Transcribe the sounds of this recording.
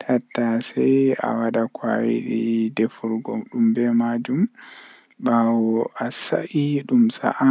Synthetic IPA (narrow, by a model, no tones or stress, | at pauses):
tʰatːasɛja̰waɗakʰwajḭɗidɛfɔɾɡɔ̰ɗumbɛmad͡ʒum | bawɔasaʔiɗumsa̰ʔa